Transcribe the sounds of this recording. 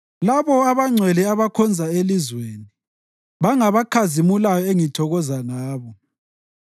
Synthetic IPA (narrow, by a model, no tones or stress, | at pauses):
laβɔaβaŋ͡ǀʱwɛlɛaβakʰɔnd͡zʱaelizweːni | βaŋaβakʰazimulajɔeŋitʰɔɣɔzanaːβɔ